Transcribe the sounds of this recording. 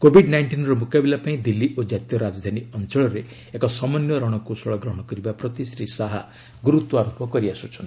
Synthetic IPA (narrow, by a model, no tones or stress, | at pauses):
kobʱiɖnajɳʈinɾɔmukabilapaĩd̪ilːiʔod͡ʒat̪jɔɾad͡ʒɔd̪ʱaniɔnt͡ʃɔɭɔɾe | ekɔsɔmɔnjɔɾɔɽ̃ɔkusɔɭɔɡɾɔɦɔɽ̃ɔkɔɾibapɾɔt̪isɾisaɦa | ɡuɾut̪wɔaɾupɔkɔɾiasut͡ʃʰɔn